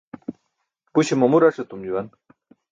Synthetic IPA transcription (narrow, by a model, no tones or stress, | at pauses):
puɕimomuɾaʂet̪umd͡ʑuwan